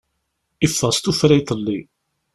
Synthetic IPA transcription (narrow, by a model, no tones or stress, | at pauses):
ifːəst̪ufɾæjt̪ˤlːi